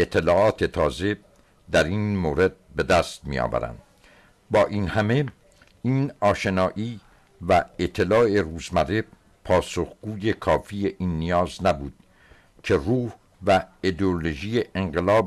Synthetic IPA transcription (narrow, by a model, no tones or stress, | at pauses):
et̪ʰːe̞lɒːɒːt̪ʰe̞t̪ʰɒːze̞ | d̪æɾiːnmoːɾe̞d̪̥̚be̞d̪æːst̪̚mḭjɒ̰ːvæ̰ɾæ̰nd̪̥ | bɒːʔiːnhæme̞ | iːnɒːʃe̞nɒːʔiː | væet̪ʰːe̞lɒːe̞ruːzmæɾe | pʰɒːso̞χɡ̥uːje̞kʰɒːfiːe̞ʔiːnːijɒːznæbuːd̪̥̚ | cʰe̞ruːh | væid̪eoloʒiːje̞ʔeŋɢelɒːb